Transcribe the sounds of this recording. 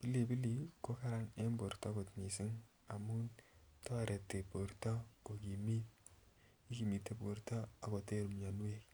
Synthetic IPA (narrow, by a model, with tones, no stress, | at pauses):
b̥i˦li˨bi˦li˨ko˦ka˦ɾa˦ne˦mbo˨ɾta˦ko˨tni˨si˦ŋ | a˨mu˦nta˦a˨ɾe˨tːe˨bo˨ɾtɔ˦ko˨ki˨mi˦ | i˦ki˨mi˨tːe˦bo˨ɾta˦a˨ko˨te˦ɾu˨m˨ɲa˨nu˦e˦